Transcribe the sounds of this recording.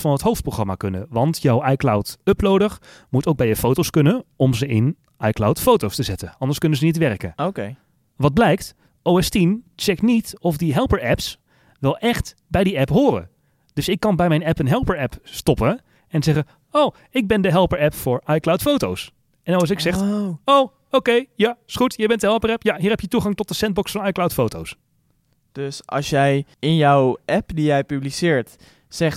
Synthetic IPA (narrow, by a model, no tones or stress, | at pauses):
fɑnɦətɦowft̚proxχrɑma̰kɵnə̰ʋɑntjɔwɑjklawtɵplowdəχmutowɡ̚bɛjəfowtowskɵnənɔmzəɪn | ɑjklawtfowtowstəzɛtənɑndəɹskɵnəzənitʋɛrkə̰noke | ʋɑd̚blɛjkt | owɛstint͡ʃɛknitɔfdiɦɛlˠpəɹɛps | ʋɛlˠʔɛχt | bɛjdiɛpɦʊːrə̰ | d̥ɵsɪkːɑnbɛjmɛjnɛpənɦɛlˠpəɹɛpstɔpə | ɛnzɛχə | ow | ɪɡ̚bɛndəɦɛlˠpəɹɛpfʊːɹʔɑjklawtfowtows | ɛnɔs̬ɪksɛχtow | owkejjasχutjɛjbɛntdəɦɛlˠpərɛpjaɦiːrɦɛpjətuχɑŋtɔtdəsɛnd̚bɔksfɑnɑjklawtfowto̰ws | d̥øsɑ̰lˠsjɛjɪnjɔwɛpdijɛjpyblisɪːɹt | sɛχ